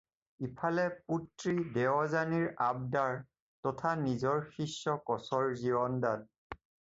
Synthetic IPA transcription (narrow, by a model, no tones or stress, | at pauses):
ipʰalɛputɹidɛwɔzaniɹab̚daɹ | tɔtʰanizɔɹxisːɔkɔsɔɹziɔndan